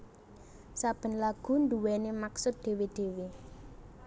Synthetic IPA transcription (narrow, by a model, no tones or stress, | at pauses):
sab̥ə̤nlaɡ̥ṳnd̪uwɛnemaksʊt̪̚d̪̥e̤wed̪̥e̤we